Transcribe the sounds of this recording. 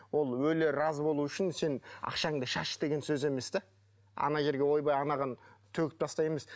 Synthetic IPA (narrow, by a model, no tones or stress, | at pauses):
wo̞lˠwɵleɾɑzbo̞lˠuʏʃɪnse̞nɑ̰qʃɑŋd̪ɑʃɑʃd̪e̞ɡʲe̞nsɵze̞me̞sd̪e | ɑ̰nɑʒe̞ɾɡʲe̞wo̞jbɑjɑnɑʁɑnt̪ʰɵkʲɪ̥p̚t̪ʰɑst̪ɑje̞me̞s